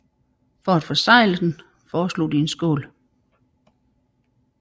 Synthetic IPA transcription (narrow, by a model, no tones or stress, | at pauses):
fɒ̽æd̥fɒsɑ̈ɪ̰ləd̥en | fɒːslo̝̰ːd̥ie̝nsɡ̥ɔ̰ːl